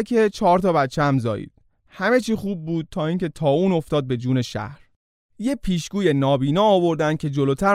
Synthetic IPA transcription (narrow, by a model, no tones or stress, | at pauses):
kʰet͡ʃʰɒːɾt̪ʰɒːbæt̪t͡ʃʰːeæmzɒ̰ːjḭːd̪̥ | hæme̞t͡ʃʰiːxuːb̚ːuːd̪̥̚t̪ʰɒːiːŋcʰe̞t̪ʰɒːuːno̞ft̪ɒːd̪̚be̞d͡ʒuːne̞ʃæ̰hɾ | jepʰiːʃɡuːje̞nɒːbiːnɒːvo̞ɾd̪ænd̪̚cʰe̞d͡ʒoloːt̪ʰæɾ